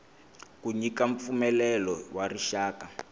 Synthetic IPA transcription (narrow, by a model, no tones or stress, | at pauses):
kuɲikaɱp̪fumɛlɛlɔwariʃaːka